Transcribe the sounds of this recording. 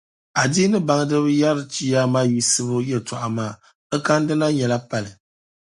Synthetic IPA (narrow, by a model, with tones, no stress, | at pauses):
a˨diː˦nɨ˦ba˨ŋ˦dɨ˦βɨ˦ja˦ɾɨ˦t͡ʃi˦ja˦maː˦ji˦sɨ˦bʊ˦jɛ˦˨ta˨ʔa˨maː˦˨ | ɨ˦ka˦n˦dɨ˦na˦ɲɛ˨la˦pa˨lɨ˨